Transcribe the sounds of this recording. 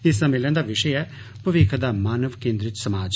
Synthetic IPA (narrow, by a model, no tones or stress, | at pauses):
ɪsd̪ãmɪlə̃ːnd̪aːʋɪʃəɛ | pəʋɪkʰd̪aːmaːnəʋkẽːnd̪ɾɪt͡ʃsəmaːd͡ʒ